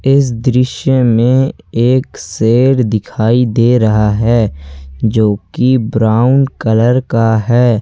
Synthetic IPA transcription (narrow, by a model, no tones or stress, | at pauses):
ɪs̬d̪ɾɪʃjəmẽeːkseːɾd̪ɪkʰaːid̪eːɾɐɦaɦɛːd͡ʒoːkibɾaːʊɳɖkələɾkaɦɛː